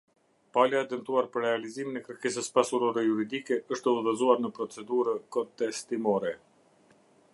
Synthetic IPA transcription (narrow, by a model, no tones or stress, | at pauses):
palaɛd̪ənt̪uaɾpəɾːɛaliziminɛkɾəɾkɛs̬əspasuɾɔɾɛjuɾid̪ikɛəʃt̪əuðəzuaɾnəpɾɔt͡sɛd̪uɾəkɔnt̪ɛst̪imɔɾɛ